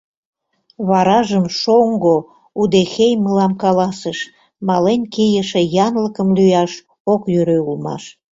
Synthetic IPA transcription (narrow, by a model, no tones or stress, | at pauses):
βɑɾɑʒəmʃoŋɡo | ud̪exejməlɑmkɑlɑseʃ | mɑlenʲkijəʃĕjɑnləkəmlyjɑʃ | okjøɾøulmɑ̰ʃ